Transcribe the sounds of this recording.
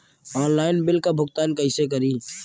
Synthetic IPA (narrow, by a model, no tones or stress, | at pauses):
ɔːnlaːɪnbɪlkabʱʊɡt̪aːnkɐɪsek̬əɾiː